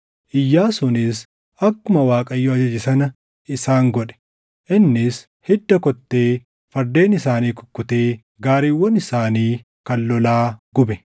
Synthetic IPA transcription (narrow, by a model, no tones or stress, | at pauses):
ʔɪjːaːsʊnɪs | ɐkːʊmɐwaːkʼɐjːɔɐd͡ʒɐd͡ʒɪsɐnɐ | ɪsaːŋɡɔᶑɛ̥ | ʔɪnːɪs | hɪd̪ːɐkɔt̪ːeː | fɐɾd̪e̞ːnɪsaːniːkʊ̥kːʊt̪eː | ɡaːɾiːwːɔnɪsaːniː | kɐlːɔlaːɡ̥ʊbɛ